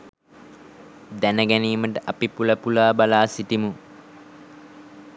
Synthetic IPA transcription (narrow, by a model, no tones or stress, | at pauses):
d̪ænəɡæniːməʈəʔapipuləpulaːbalaːsiʈimu